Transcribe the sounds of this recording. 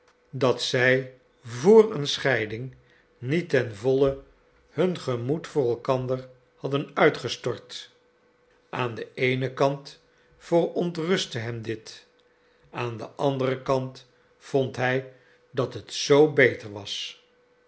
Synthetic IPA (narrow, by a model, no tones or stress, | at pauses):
dɑtsɛj | vʊːrənsχɛjdɪŋ | nitɛnvɔlə | hɵnχəmutfʊːrɛlˠkɑndər | hɑdənœɥtχəstɔɹt | ʔaːndəejnəkɑnt | fərɔntrɵstəɦɛmdɪt | aːndəʔɑndərəkɑnt | fɔntɦɛj | dɑtɦətsowbejtəɹʋɑs